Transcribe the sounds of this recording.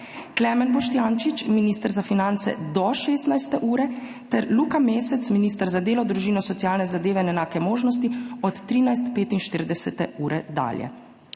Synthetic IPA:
klɛmɛnbɔʃt̪jaːnt͡ʃit͡ʃminiːst̪əɾzafinant̪sɛ̰d̪ɔʃeːst̪najst̪ɛʔuːɾɛ | t̪ɛɾluːkameːsɛt̪sminiːst̪əɾzad̪eːlɔd̪ɾuʒiːnɔsɔt̪sijaːlnɛzad̪eːʋɛinɛnaːkɛmoːʒnɔs̬t̪iɔt̪ːɾiːnajs̬t̪peːt̪inʃt̪iɾd̪ɛsɛt̪ɛuːɾɛd̪a̰ːljɛ̰

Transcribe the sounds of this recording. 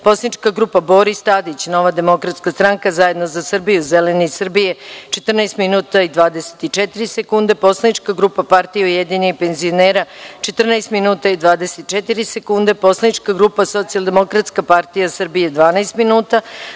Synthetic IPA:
po̞slˠanit͡ʃkaɡɾuːpabo̞ɾist̪aːd̪it͡ɕno̞ʋad̪e̞mo̞kɾat̪skast̪ɾaŋkazaje̞d̪no̞zasrbijuzelenisr̩bije̞t͡ʃet̪rnaest̪minuːt̪aid̪ʋaːd̪ese̥t̪it͡ʃɛt̪iɾisekund̪e̞po̞slˠanit͡ʃkaɡɾupapaɾt̪ijeujed̪iɲeipe̞nzio̞neːɾat͡ʃet̪r̩naest̪minuːt̪aid̪ʋaːd̪eset̪̚t͡ʃet̪iɾisekund̪e̞po̞slˠanit͡ʃkaɡɾuːpaso̞t̪sijalˠd̪emo̞kɾat̪skapaɾt̪ijasr̩bije̞d̪ʋaːnaest̪minuːt̪a

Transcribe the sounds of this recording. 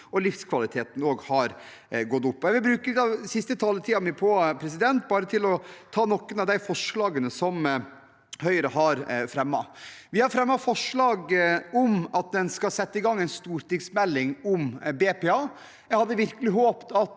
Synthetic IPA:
ɔlɪfskʰʋɑlɪt̪ʰeːt̪n̩oːɡhɑɾ | ɡɔt̪ːʊpːɔjæɪʋɪlbɾʉːkəɪd̪ɑsɪst̪ət̪ʰɑːlət̪ʰiːɑmipʰɔpʰɾɛs̬ɪd̪ɛnt̪̚bɑːɾət̪ʰɪlɔt̪ʰɑːnɔkːənɑʋd̪æɪfɔʂɭɑːɡənəsɔm | hœʏɾəhɑɾfɾɛmːɑ̰ʋɪhɑɾfɾɛmːɑfɔʂɭɑːɡɔmɑt̪̚d̪ɛnskɑsɛt̪ːəɪɡɑŋːɛɪnst̪uːɾt̪ɪɡsmɛlːɪŋɔmbeːpɛːɑː | jæhɑd̪ːəʋɪɾkəlɪɦoːpt̪ɑt̪

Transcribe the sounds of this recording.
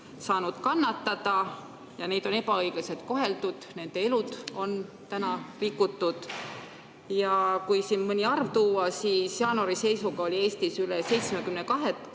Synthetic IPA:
sɑːnud̪̥kɑnːɑt̪ːɑd̪̥ɑ | jɑne̞jd̪̥o̞ne̞pɑɤjɡ̥ese̞t̪̚ko̞ɦe̞ld̪ud̪̥ne̞nd̪̥e̞e̞lud̪̥o̞n | t̪ænɑrikːˑut̪ːud̪̥ | jɑkujsinmɤnʲiɑrvt̪uːɑsiːsjɑːnoɾise̞jsuɡɑo̞lʲie̞ːst̪isylese̞jt̪smekymnekɑɦe̞t̪

